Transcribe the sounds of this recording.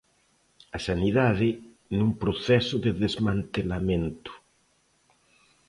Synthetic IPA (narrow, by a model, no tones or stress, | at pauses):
asaniðaðɪ | nũmpɾoθɛsoðeðezmãnt̪elamẽnt̪ʊ̥